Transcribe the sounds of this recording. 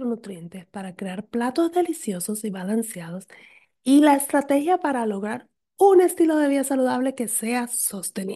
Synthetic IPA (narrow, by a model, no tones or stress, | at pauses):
ɾonut̪ɾje̞nt̪e̞spaɾakɾe̞aɾplat̪o̞zðe̞lisjo̞so̞siβalansjað̞o̞s | ilaest̪ɾat̪e̞xjapaɾalo̞ɣɾaɾ | une̞st̪ilo̞ðe̞β̞iðasaluðaβle̞ke̞se̞aso̞st̪e̞ni